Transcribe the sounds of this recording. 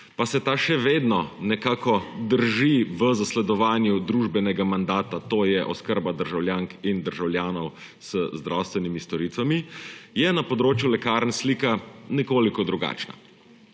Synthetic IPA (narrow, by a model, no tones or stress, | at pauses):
pasɛt̪aːʃɛʋeːd̪nɔnɛkaːkɔd̪əɾʒiʋəzaslɛd̪ɔʋaːnjud̪ɾuːʒbɛnɛɡamand̪aːt̪at̪oːjɛʔɔskəɾbad̪əɾʒawljaːŋkind̪əɾʒawljaːnɔw | z̥əzd̪ɾawst̪ʋɛnimist̪ɔɾit̪ʋamijɛnapɔd̪ɾoːt͡ʃjulɛkaːɾnsliːkanɛkoːlikɔd̪ɾuɡa̰ːt͡ʃna̰